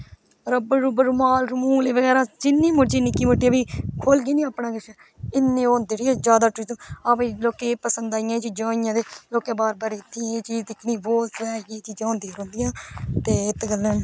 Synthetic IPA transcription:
ɾəbəɾuːbəɾumaːlɾəmuːleːʋəɡɛːɾãːd͡ʒɪnːẽːmoʈt͡ʃiniːkiːmoʈːiãbiːkʰoːlɡiːnĩːaːpnãːɡəʃɛː | ɪnːẽːõːnd̪eːɽiɛ̃ːd͡ʒjaːd̪aːʈɾizũːaːpẽloːkeːpəsənd̪aːɪjãt͡ʃiːd͡ʒõːɪjãːd̪eːloːkẽːbaːɾbaːɾiɪt̪ʰːĩeːt͡ʃiːd͡ʒd̪ɪkʰniːboːsɾɛːjeːt͡ʃiːd͡ʒãõːnd̪iːɾõːnd̪ɪjãːt̪eːɪt̪ɡələn

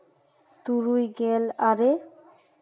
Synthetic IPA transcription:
t̪uɾujɡɛlaɾe

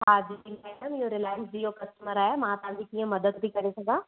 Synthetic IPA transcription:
ɦaːd͡ʑimaɪɖəmiɪɦoɾɪlaːɪsd͡ʑiɦokɐsʈəməɾaːɦemãt̪ɐʋ̤ãɲd͡ʑikiːə̃mɐd̪əd̪bʱikɐɾesɐɡãː

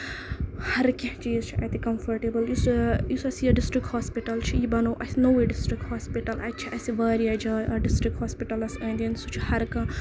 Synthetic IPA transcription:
hɐɾket͡ʃijzt͡ʃʰiʔɐ̰t̪ikɐmfʰɐɾʈebɐljisjisɐsijɐɖisʈɾik̚ʈhaːspiʈɐlt͡ʃʰijibɐnɐwʔɐsinɐwiɖisʈɾik̚ʈhaːspiʈɐlʔɐ̰j̪̚t͡ʃʰiʔɐsiʋaːɾijɐd͡ʒɐːɐɖisʈɾik̚ʈhaːspiʈɐlɐsɐ̃ːnd̪insut͡ʃʰi̥hɐɾkɐ̃

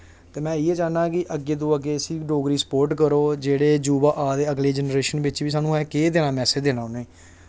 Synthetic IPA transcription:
t̪eːmɛ̃ːɪeːd͡ʒaːnaːkɪʔəɡeːd̪õːəɡeːəsĩːɖoːɡɾiːsə̥poːɾʈkəɾoːd͡ʒeːɽeːd͡ʒuːbaːʔaːd̪eːəɡleːd͡ʒənɾeːʃənbɪt͡ʃʋiːsaːnũːɦɛːkeːd̪ɪnãːmɛːseːd̪eːnãːʊneeː

